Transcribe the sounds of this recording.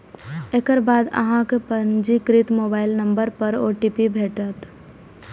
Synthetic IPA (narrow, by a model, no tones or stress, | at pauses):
eːkəɾbaːd̪ə̰ɦãkepənd͡ʒikɾɪt̪moːbaːɪlnə̃mbəɾpəɾo̰ːʈipibʱeːʈət̪